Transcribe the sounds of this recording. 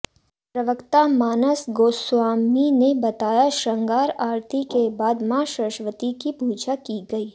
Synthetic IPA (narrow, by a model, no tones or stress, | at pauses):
pɾɐʋəkt̪amaːnəsɡoːswaːminebɐt̪aːjaʃɐ̃ŋɡaːɾaːɾt̪ʰikebaːd̪mãʃəʃʋət̪ikipuːd͡ʒakiɡɐiː